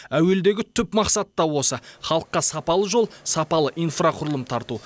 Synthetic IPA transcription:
æwe̞ld̪e̞ɡʲɪt̪ʰʏpmɑqsɑt̪ːɑwo̞səχɑlˠəqːɑsɑpɑlˠəʒo̞lˠsɑpɑlˠəʔijnfraqʰʊɾəlˠəmt̪ʰɑɾt̪u

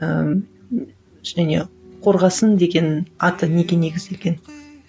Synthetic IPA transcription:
ə | ʒ̥æne̞̰qʰo̞ɾʁɑsənd̪e̞ɡʲe̞nɑt̪əne̞ɡʲe̞ne̞ɡʲɪzd̪e̞lɡʲe̞n

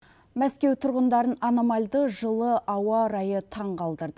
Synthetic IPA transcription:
mæskʲe̞wt̪ʰʊɾʁənd̪ɑɾənɑnomɑlʲd̪əʒəlˠəʔɑwɑɾɑjət̪ʰɑɴqʰɑlˠd̪əɾd̪ə

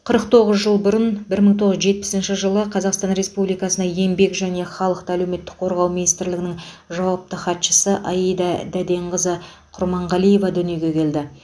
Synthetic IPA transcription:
qʰəɾəq̚t̪ʰo̞ʁəzʒəlˠbʊɾənbɪɾməɴt̪ʰo̞ʁəzʒe̞t̪̚pɪ̥sɪnʃɪʒəlˠəqʰɑzɑqst̪ɑnɾe̞spublijkɑsənɑjembe̞kʒæne̞χɑlˠəqt̪əæle̞wme̞t̪ːɪ̥k̚qʰo̞ɾʁɑwminijst̪ɪɾlɪɡʲɪnɪŋ | ʒɑwɑp̚t̪əχɑt̪ʃə̥səʔɑjijd̪ɑd̪æd̪e̞ɴʁəzə | qʰʊɾmɑɴʁɑlˠije̞vɑd̪ʏnije̞ɡʲe̞kʲʰe̞ld̪ɪ

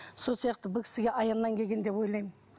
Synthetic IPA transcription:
so̞lˠsijɑq̚t̪əbɪkʲɪ̥sɪɡʲe̞ʔɑjɑnːɑŋkʲʰe̞ɡʲe̞nd̪e̞pwo̞jlˠɑjmən

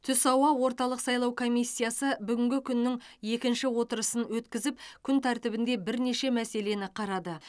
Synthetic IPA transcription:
t̪ʰʏsɑwɑwo̞ɾt̪ɑlˠəqsɑjlˠɑwkʰo̞mijsʲːijasəbʏɡʲɪŋɡʲɪkʲʰʏnːɪŋje̞kʲɪnʃɪwo̞t̪əɾəsənwɵt̪kʲɪzɪp̚kʲʰʏnt̪ʰæɾt̪ɪbɪnd̪e̞bɪɾne̞ʃe̞mæse̞le̞nɪqʰɑɾɑd̪ə

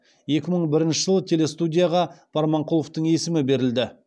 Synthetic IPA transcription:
je̞kʲɪməɴbɪɾɪnʃɪʒəlˠət̪ʰe̞le̞st̪ud̪ʲijaʁɑb̥ʰɑɾmɑɴqʰulˠoft̪əɴe̞sɪmɪbe̞ɾɪld̪ɪ

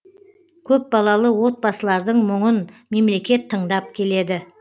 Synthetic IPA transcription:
kʲʰɵp̚bɑlˠɑlˠəwo̞t̪̚bɑsəlˠɑɾd̪əɴmʊɴənme̞mle̞kʲe̞t̪ʰːəɴd̪ɑp̚kʲʰe̞le̞d̪ɪ

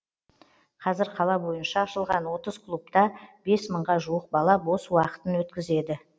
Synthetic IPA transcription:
qʰɑzɪɾqʰɑlˠɑbo̞jənʃɑːʃəlˠʁɑnwo̞t̪əz̥kʰlˠup̚t̪ɑb̥e̞sməɴʁɑʒuəq̚bɑlˠɑbo̞swɑqə̥t̪ənwɵt̪kʲɪze̞d̪ɪ

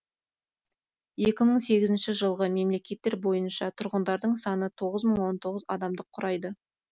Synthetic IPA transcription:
je̞kʲɪməɴse̞ɡʲɪzɪnʃɪʒəlˠʁəme̞mle̞kʲe̞t̪ːe̞ɾbo̞jənʃɑt̪ʰʊɾʁənd̪ɑɾd̪əɴsɑnət̪ʰo̞ʁəzməɴwo̞nt̪ʰo̞ʁəzɑ̰d̪ɑmd̪əqʰːʊɾʔɑjd̪ə

